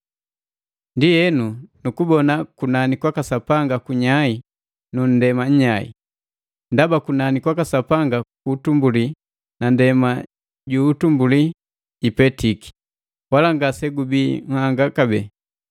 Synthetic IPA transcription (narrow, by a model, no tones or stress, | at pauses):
ndijɛnunukubɔnakunanikwakasapaŋɡakuɲai | nun̩dɛmaɲ̩ɲaḭ | ndabakunanikwakasapaŋɡakuːtumbuli | nandɛma | ɟuːtumbuli | ipɛtiki̥ | walaŋɡasɛɡubiŋ̩haŋɡakabɛ̰